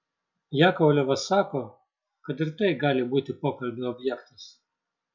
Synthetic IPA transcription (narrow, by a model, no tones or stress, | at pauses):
jɑːkɔlʲɛʋɐsɑːkoː | kɐt̪ɪɾt̪ɐɪɡɑːlʲɪbuːt̪ʲɪpoːkɐlʲbʲʊɔbʲjɛkt̪ɐs